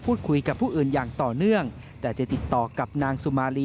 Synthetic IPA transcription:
pʰuː˥˩t̪̚kʰu˧jka˨˩pʰːuː˥˩ʔɯː˨˩njaː˨˩ŋt̪ɔː˨˩nɯ˥˩əŋ | t̪ɛː˨˩t͡ɕa˨˩t̪i˨˩t̪ːɔː˨˩ka˨˩p̚naː˧ŋsu˧˩maː˧liː˧

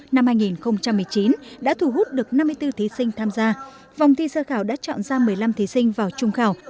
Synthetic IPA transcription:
na˧mhaː˧jŋi˨˩nxə˧wŋ͡mt͡ɕa˧mːɨ˨˩əjt͡ɕi˨˦nɗa̰ː˧˥t̪ʰu˧˩ɦu˦˥t̚ɗɨ˨˩ək̚na˧mːɨ˧ət̪ɨ˧t̪ʰi˨˦sï˧ŋ̟t̪ʰaː˧mzaː˧ | va˨˩wŋ͡mt̪ʰi˧səː˧xaː˧˩wɗa̰ː˧˥t͡ɕɔ̰˧˨nzaː˧mɨ˨˩əjla˧mt̪ʰi˨˦sï˧ŋ̟vaː˨˩wt͡ɕʊ˧ŋ͡mxaː˧˩w

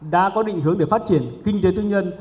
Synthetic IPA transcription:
ɗa̰ː˧˥kɔ˨˦ɗḭ̈˧˨ŋɦɨ˨˦əŋɗe˧˩faː˦˥t̚t͡ɕi˧˩ənkï˧ŋt̪e˨˦t̪ɨ˧ŋɲə˧n

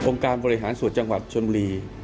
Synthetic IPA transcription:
ʔo˧ŋkaː˧nbɔː˧ɾi˦˥ɦaː˩˦nsu˨˩ət̪̚t͡ɕa˧ŋwa˨˩t̪̚t͡ɕʰɤː˧mbu˧ɾiː˧

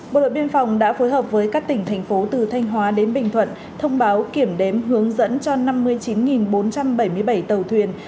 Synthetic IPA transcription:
ɓo̰˧˨ɗo̰˧˨jɓi˧ənfa˨˩wŋ͡mɗa̰ː˧˥fo˨˦jɦəː˨˩p̚vəː˨˦jkaː˦˥k̚t̪ï˧˩ŋ̟t̪ʰɛ˨˩jŋ̟fo˨˦t̪ɨ˨˩t̪ʰa˧jŋ̟ɦwaː˨˦ɗe˨˦nɓï˨˩ŋ̟t̪ʰwə̰˧˨n | t̪ʰə˧wŋ͡mɓaː˨˦wki˧˩əmɗe˨˦mɦɨ˨˦əŋzə̰˧˥nt͡ɕɔ˧na˧mːɨ˧əjt͡ɕi˨˦nŋi˨˩nɓo˨˦nt͡ɕa˧mɓə˧˩jmɨ˧əjɓə˧˩jt̪ə˨˩wt̪ʰwi˨˩ən

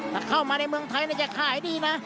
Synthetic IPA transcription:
t̪ʰaː˧˩kʰa˥˩wmaː˧na˧jmɯ˧əŋt̪ʰa˧jna˥˩t͡ɕa˨˩kʰaː˨˩ha˦˥˦diː˧na˦˥

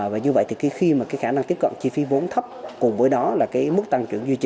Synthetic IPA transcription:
vaː˨˩ɲɨ˧və̰˧˨jt̪ʰi˨˩ki˨˦xi˧maː˨˩kaː˨˦jxaː˧˩na˧ŋt̪i˦˥əp̚ka̰˧˨nt͡ɕi˧fi˨˦vo˨˦nt̪ʰə˦˥p̚kʊ˨˩ŋ͡mvəː˨˦jɗɔ˨˦laː˨˩kaː˨˦jmɨ˦˥k̚t̪a˧ŋt͡ɕwi˧˩ənzwi˧t͡ɕi˧˦

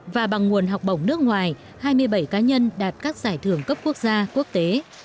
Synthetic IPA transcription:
vaː˨˩ɓa˨˩ŋːŋu˨˩ənɦa˨˩wk͡p̚ɓə̰˧˩wŋ͡mnɨ˦˥ək̚ŋwaː˨˩j | haː˧jmɨ˧əjɓə˧˩jkaː˨˦ɲə˧nɗaː˨˩t̚kaː˦˥k̚z̥aː˧˩jt̪ʰɨ˧˩əŋkə˦˥p̚ku˦˥ək̚zaː˧ku˦˥ək̚t̪e˨˦

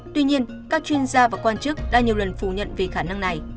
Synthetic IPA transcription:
t̪wi˧ɲi˧ən | kaː˦˥k̚t͡ɕwi˧ənzaː˧vaː˨˩kwaː˧nt͡ɕɨ˦˥k̚ɗa̰ː˧˩ɲi˨˩əwlə˨˩nfu˧˩ɲə̰˧˨nve˨˩xaː˧˩na˧ŋna˨˩j

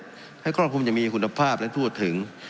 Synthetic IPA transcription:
ha˥˩kɾɔ˥˩kʰuː˧mja˨˩ŋmiː˧kʰu˧nːa˧pʰaː˥˩p̚lɛ˦˥t̪ʰu˥˩ət̪ʰːɯ˩˦ŋ

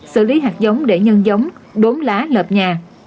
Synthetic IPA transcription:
sɨ̰˧˨li˨˦ɦaː˨˩k̚zə˨˦wŋ͡mɗe˧˩ɲə˧nzə˨˦wŋ͡mɗo˨˦mlaː˨˦ləː˨˩p̚ɲaː˨˩

